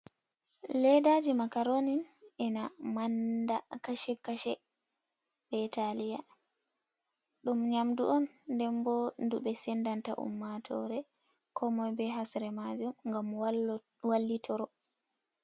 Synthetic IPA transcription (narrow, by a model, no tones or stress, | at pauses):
lɛdad͡ʒimakaɾoninɛnamandakaʃɛkaʃɛ | bɛtalija | ɗumɲamdṵʔɔnːdɛmbɔnduɓɛsɛndanta̰ʔṵmːatʰɔ̰ɾɛ | kʰɔmɔjbɛɦasɾɛmad͡ʒumŋɡam | walːitʰɔɾɔ